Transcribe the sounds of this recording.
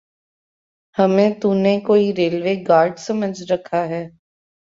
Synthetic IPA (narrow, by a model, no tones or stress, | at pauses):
həmẽt̪unekoːiɾeːlʋeːɡaːɾɖsəməd͡ʒʱɾəkʰːaɦɛː